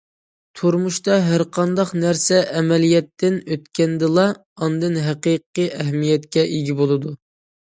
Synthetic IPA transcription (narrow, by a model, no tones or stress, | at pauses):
t̪ʰuɾmuʃt̪ɑɦæɾqʰɑnd̪ɑqnæɾsɛʔːmɛlijɛt̪ːɪnøt̪kʲɛnd̪ɨlˠɑ | ɑnd̪ɨnɦæqiqːɨʔɛɦmijɛt̪̚kʲɛʔiɡʲibolˠɨd̪u